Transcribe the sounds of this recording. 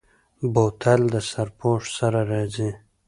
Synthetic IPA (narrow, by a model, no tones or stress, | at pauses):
bot̪ʰald̪əsaɾpʰoʂsaɾaɾɑzi